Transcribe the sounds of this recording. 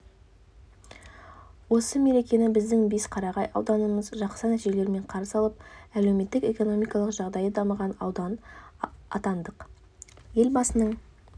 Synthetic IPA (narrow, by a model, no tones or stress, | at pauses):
wo̞səme̞ɾe̞kʲe̞nɪbɪzd̪ɪŋbesqʰɑɾɑʁɑjɑ̰wd̪ɑnəməzʒɑqsənæt̪iʒele̞ɾme̞ɴqʰɑɾəsɑlˠəp̚æle̞wme̞t̪ːɪke̞ko̞no̞mijkɑlˠəqʒɑʁd̪ɑjəd̪ɑməʁɑnɑ̰wd̪ɑn | ɑ̰t̪ɑnd̪əq | je̞lbɑsənəɴ